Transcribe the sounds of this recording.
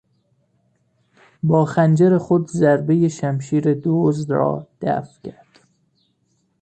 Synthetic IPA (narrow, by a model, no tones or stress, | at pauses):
bɒːxænd͡ʒeɾexod̪zæɾbejeʃæmʃiːɾed̪oːzd̪ɾɒ̰ːd̪̥æ̰fcʰæɾd̪̥